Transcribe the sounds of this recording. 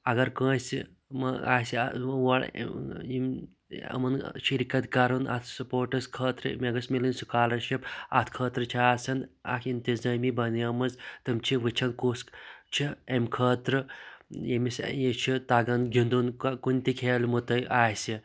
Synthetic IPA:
ɐɡɐɾkə̃ːsʲi | mɐa̰ːsiʋɐɭ̰im | ɐ̰mɐnʃiɾikɐt̪kɐɾunʔa̰t̪ʰsɐpoːɾʈɐskʰəːt̪ɾɨ̰mʲeɡɐsmilinʲsukaːlɐɾʃipɐt̪ʰkʰəːt̪ɾɨt͡ʃʰiaːsɐnɐ̰kʰint̪izaːmibɐniɐmɐzt̪ɨmt͡ʃʰiʋɨt͡ʃʰɐnkust͡ʃʰiemʲkʰəːt̪ɾɨjemisjet͡ʃʰit̪aɡɐnɡʲind̪unkunʲt̪ikʰeːlʲmut̪ɐjʔaːsʲi

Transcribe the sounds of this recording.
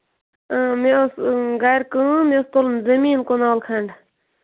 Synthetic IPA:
meosɡajɾkɨ̃mest̪olnzɐmiːnkonaːwlkʰɐɳɖ

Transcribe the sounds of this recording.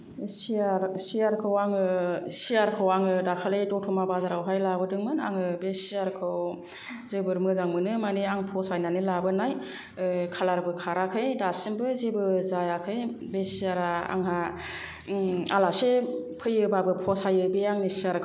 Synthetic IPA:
siaɾsijaɾkʰɯwaŋɯsijaɾkʰɯwaŋɯdakʰalejdɔtʰɔmabazaɾawɦajlabɯdɯŋmɯna̰ŋɯbesiaɾkʰɯw | zebɯɾmɯzaŋmɯnɯmaniaŋpʰɔsajnanɯlabɯnaj | kʰalaɾbɯkʰaɾakʰɯjdasɯmbɯzebɯzajakʰɯjbesiaɾaa̰ŋɦa | alasepʰɯjɯbabɯpʰɔsajɯbeaŋnisiaɾkʰ

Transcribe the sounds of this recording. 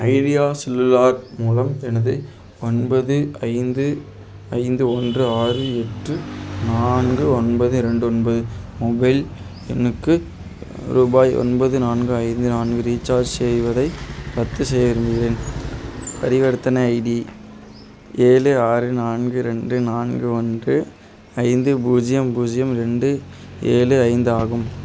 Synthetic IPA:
ʔɐɪɾɪjaːsɪlːɯlaːɾmuːlɐmɛnɐðɯ | ɔnbɐðɯɐɪnd̪ɯ | ɐɪnd̪ɯɔndrɯaːrɯɛʈrɯnaːnɡɯɔnbɐðɯɪɾɛɳɖɯɔnbɐðɯmɔbɐɪl | ɛ̰nːɯkːɯ | ɾuːbaːjʔɔ̰nbɐðɯnaːnɡɯɐɪnd̪ɯnaːnɡɯɾiːt͡ʃːaːɾd͡ʒsɛjʋɐðɐɪpɐt̪ːɯsɛjɐʋɪɾɯmbɪjɪɾen | pɐɾɪʋɐɾɯt̪ːɐnɐɐɪɖi | ʔeːlɯaːɾɯnaːnɡɯɾɛɳɖɯnaːnɡɯɔnɖrɯ | ɐɪnd̪ɯbuːd͡ʒɪjɐmbuːd͡ʒɪjɐmɾɛɳɖɯeːlɯɐɪnd̪ɯaːɣɯm

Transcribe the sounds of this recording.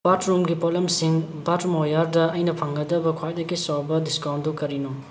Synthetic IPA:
b̥atɾumɡipɔlemsiŋbatmojaɾdɐɐjnɐpʰɐŋɡɐdɐbɐkʰwajdɐɡisawbɐdiskawndukɐɾino

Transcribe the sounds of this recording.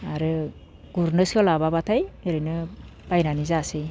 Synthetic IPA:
aɾɯ | ɡ̥uɾnɯsɔlababatʰajɯɾɯnɯb̥ajnanizasi

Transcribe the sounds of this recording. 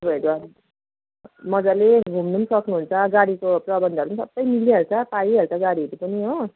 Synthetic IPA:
bʌeɾua | mʌd͡zaleɡʱumnunsʌknuɦunt͡sʰʌɡaɽikoprʌbʌnd̪ʌɾunsʌbʌjmilːiʌɾut͡sʰʌpaiɦʌɾut͡sʰʌɡaɽiʌɾupʌniɦo

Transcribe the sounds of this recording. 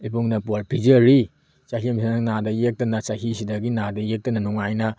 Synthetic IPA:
ibuŋnɐpaɾpʰizɐɾi | saɦimsinɐŋnadɐjek̚tɐnɐsaɦisidɐɡinadɐjek̚tɐnɐnuŋajnɐ

